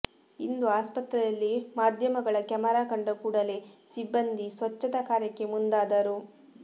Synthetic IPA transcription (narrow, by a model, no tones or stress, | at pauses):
ind̪uaːspɐt̪ɾɐjɐlːimaːd̪ʱjɐmɐɡɐɭɐkjɐmɐɾaːkɐɳɖɐkuːɽɐle̞ːsibːɐnd̪isʋɐt͡ʃːɐt̪ɐkaːɾjɐkːe̞mund̪aːd̪ɐɾu